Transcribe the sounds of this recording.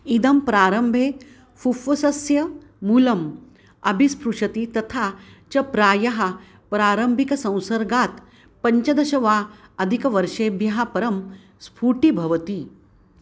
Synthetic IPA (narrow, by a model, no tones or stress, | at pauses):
id̪ɐmpɾaːɾɐmbʱeː | fufʋɐsɐsjɐ | muːlɐm | ɐbʱispɾuʂɐt̪it̪ɐt̪ʰat͡ʃɐpɾaːjɐɦɐ | pɾaːɾɐmbʱikɐsɐ̃w̃sɐɾɡaːt̪ | pɐɲt͡ʃɐd̪ɐɕɐʋaːɐd̪ʱikɐʋɐɾʃeːbʱjɐɦapɐɾɐm | spʰuːʈibʱɐʋɐt̪iː